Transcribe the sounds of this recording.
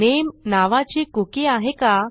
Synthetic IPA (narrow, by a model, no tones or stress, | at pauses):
emnaʋat͡ɕiːkukiaɦeka